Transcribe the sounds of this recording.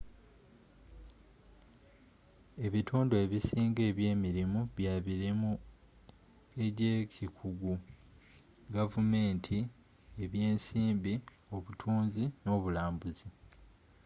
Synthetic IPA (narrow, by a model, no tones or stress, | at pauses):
e̞βitʰuːndoeβisiːŋɡe̞ːβje̞ːmiɾimuβjaβiɾemu | e̞ɟecʰikʰuɡu | ɡavume̞ːntʰi | e̞βje̞ːnsiːmbi | o̞βutʰuːnzino̞ːβulaːmbuzi